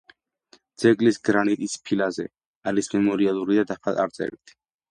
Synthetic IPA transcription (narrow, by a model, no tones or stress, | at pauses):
d̪z̥ɛɡʼlisɡɾanit̪ʼispʰilazɛ | aɾismɛmɔɾialˠuɾid̪ad̪apʰat̪ʼa̰ɾt̪sʼɛ̰bit̪ʰ